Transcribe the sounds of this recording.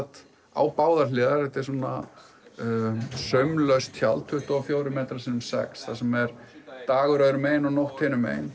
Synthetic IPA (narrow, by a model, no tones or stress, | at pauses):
t̪ | a̰ːwpaːwðaɾ̥lɪːðaɾɛht̪ɛɾ̥sɔnːa̰ | sœmlœɥst̪çjalt̪ʰʏht̪ɔfjoːwɾʏmɛːt̪ɾasinʏmsɛ̰ksθasɛmɛɾt̪aːɣʏɾœːɾʏmeːjnɔnowht̪hɪːnʏmḛjn